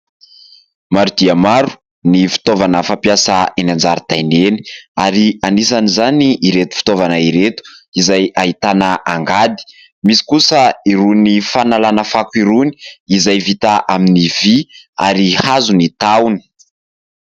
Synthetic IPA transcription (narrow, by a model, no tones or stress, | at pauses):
maɾud̪̥iamaɾu̥ | nifi̥t̪ovanəfampjasaenand͡ʒaɾit̪ajneni̥aɾianisanizaniːɾet̪u̥fi̥t̪ovanaiɾet̪u̥izajaɦit̪anaʔaŋɡad̪i̥ | misi̥kusəiɾunifanalanəfakuiɾuni̥izajvit̪aʔaminivia̰ɾihazunit̪awni̥